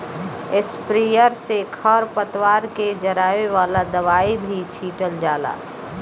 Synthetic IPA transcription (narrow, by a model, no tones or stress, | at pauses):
ɪspɾijəɾsekʰəɾpət̪ʋaːɾked͡ʒəɾaːʋeʋaːlad̪əʋaːibʱit͡ʃʰiːʈəld͡ʒaːla̰ː